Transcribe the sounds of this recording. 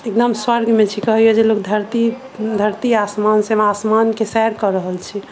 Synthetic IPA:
ek̚d̪əmswəɾɡʱmet͡ʃʰikəɦijod͡ʒelokd̪ʱəɾt̪i | d̪ʱəɾt̪iasmansemasmankesɛɾkɔɾəɦəlt͡ʃʰi

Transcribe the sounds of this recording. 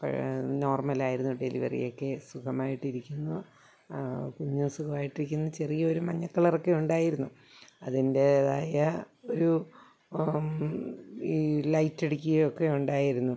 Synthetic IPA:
pɐ̰no̞ːrmɐlaːjiɾunːuɖe̞̰lḭʋɐ̰rḭjo̞kːe̞sukʰɐmaːjiʈːiɾikʲːunːu | kuɲːumsukɐmaːjiʈːiɾik̬ʲːunːut͡ɕe̞rijɐo̞ɾumɐɲːɐkːɐɭɐrokːe̞uɳɖaːjiɾunːu | ɐðinde̞ːðaːjɐ | oɾu | lɐjtːeɽikʲːuɣɐjokːe̞uɳɖaːjiɾunːu

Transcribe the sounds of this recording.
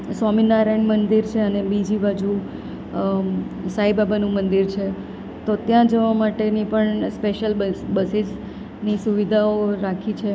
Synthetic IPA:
sɔminaɾaiɳmənd̪iɾt͡ʃʰeənebid͡ʒibad͡ʒu | saibabanũmənd̪iɾt͡ʃʰe | t̪ot̪jãd͡ʒəʋamaʈenipəɳspeʃəlbəsis | nisuʋid̪ʱaoɾakʰit͡ʃʰe

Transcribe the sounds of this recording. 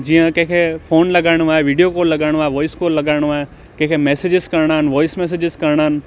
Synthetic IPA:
d͡ʒijãkẽkʰepʰoːnlɐɡaːɽ̃uʋaːeʋiːɖijokoːlːɐɡaːɽ̃ʋaːeʋɔːɪskoːlːɐɡaːɽ̃uʋaːe | kekʰemeːsed͡ʒɪskɐɾɳaːnʋɔːɪsmeːs̬ed͡ʒɪzkɐɾɳ̃aːn

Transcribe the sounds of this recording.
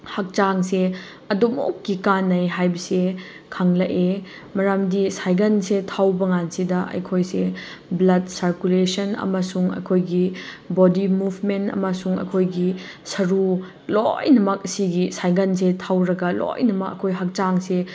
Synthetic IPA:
hɐk̚t͡ʃaŋse | ɐdomo̰kːikanːɐjɦajbɐse | kʰaŋlɐʔe | mɐɾamdisajɡɐnsetʰawbɐŋansidɐʔɐ̰jkʰojse | blɐdsaɾkulesɐnɐ̰mɐsuŋɐ̰jkʰojɡibodimubʱmentɐ̰mɐsuŋɐ̰jkʰojɡisɐɾu | lojnɐmɐk̚ɐsiɡisajɡɐnsetʰawɾɐɡɐlo̰jnɐmɐk̚ɐ̰kʰojɦɐk̚t͡ʃaŋse

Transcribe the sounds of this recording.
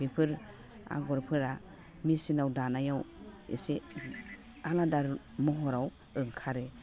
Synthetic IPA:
bipʰɯɾ | a̰ɡɔɾpʰɯɾa | misinawdanajawḛse | aladaɾ | mɔɦɔɾaw | ɯŋkʰaɾe

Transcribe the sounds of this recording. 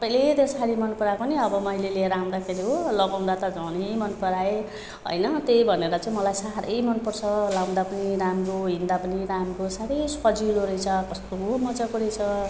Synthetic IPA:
ʌpaĩlet̪jesaɽimʌnpʌɾakoniʌbʌmʌjleleɾaw̃d̪akʰeɾiɦolʌɡaw̃d̪at̪ʌd͡zʌnijmʌnpʌɾae | ɦʌ̰jnʌt̪ejbʱʌneɾʌt͡saĩmʌlajsaɾʔʌ̰jmʌnpʌrt͡sʰʌlãd̪apʌniɾamkoɦind̪apʌniɾamkosaɾejspʌd͡ziloɾʌjt͡sʰʌkʌst̪oɦɦomʌd͡zʌkoɾʌjt͡sʰʌ

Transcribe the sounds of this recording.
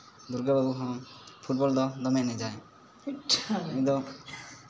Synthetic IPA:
d̪uɾɡababuɦɔ̃pʰuʈ̚bɔld̪ɔd̪ɔmɛnɛd͡ʒaj | ɛd̪ɔ

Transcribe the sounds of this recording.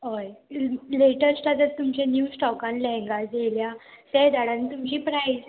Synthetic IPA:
ɦojleʈəɾslat̪əɾt̪umt͡ɕẽnjuːsʈɔkãnlɛ̃ŋɡad͡zeljasɛd̪aɽanit̪umt͡ɕiːpɾajd͡z

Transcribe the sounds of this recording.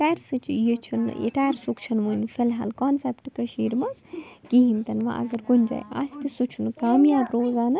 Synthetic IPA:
ʈaːɾsɨt͡ʃʰijit͡ʃʰun̰ḭʈaːɾsukt͡ʃʰɐnʋunfʰilɦa̰ːlkaːnsepʈkɐʃiːɾmɐzkiɦint̪ɐnʋa̰ːʔɐ̰ɡɐɾɡunʲd͡ʒa̰ːjɐ̰st̪ɨsut͡ʃʰunkaːmjaːɾoːzaːnɨ

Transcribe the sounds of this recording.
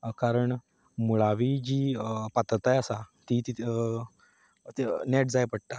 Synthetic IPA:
kaɾəɳ | muɭaʋid͡ʑiːpat̪t̪ajasat̪it̪i | nɛʈd͡zajpəɽt̪a

